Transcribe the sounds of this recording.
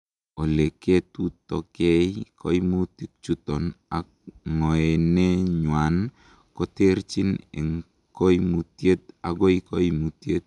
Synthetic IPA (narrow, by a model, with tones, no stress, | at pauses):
o˨le˨ke˦t̪u˦tɔ˨kɛ˦ikʰɔ˦jmu˦ti˦k̚t͡ʃu˦t̪ɔ˨na̰˨ | ŋɔ˨ɛ˨ne˦ɲwa˨n | kɔ˦te˦ɾt͡ʃi˦nḛ˨ŋ | ko˦jmu˨tje˦t̪̚a̰˨ɡɔ˦i˦kɔ˦i˦mu˨tje˦t̪̚